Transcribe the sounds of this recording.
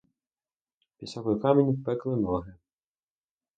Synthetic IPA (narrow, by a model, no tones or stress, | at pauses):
pʲisɔkɔjkɑmenʲpɛklˠɪnɔɦɪ